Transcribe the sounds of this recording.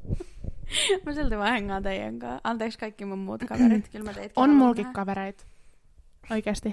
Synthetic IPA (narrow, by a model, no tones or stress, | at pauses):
mɑseld̪eʋɑheŋɡɑd̪ejɛ̰ŋɡ̥ɑ̰ːʔɑnd̪ekskɑjkːimumːṵːt̪kɑʋeɾit̪kylmɑt̪ejt̪onmulkikːɑveɾejd̪̥ | ojɡ̥est̪i